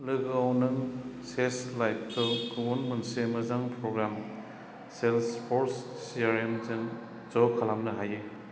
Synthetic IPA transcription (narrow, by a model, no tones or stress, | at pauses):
lɯɡawnɯŋseslajp̚ʰtɔkɯɡonmɐnsemɐzaŋpʰɾoɡɾam | selspʰoɾsː | iaɾemzŋ | zɔwkʰalamnɐɦaje